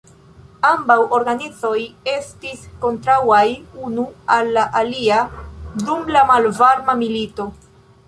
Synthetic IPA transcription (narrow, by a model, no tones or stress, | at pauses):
ambawʔo̞ɾɡanit͡so̞je̞stisko̞ntɾawajunualːaʔaliadumlamalvaɾmamilito̞